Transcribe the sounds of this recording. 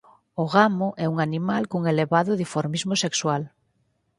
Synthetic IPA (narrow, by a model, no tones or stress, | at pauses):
ʊɣamʊʔɛuŋanimalkuŋeleβaðʊðifoɾmizmʊsekswal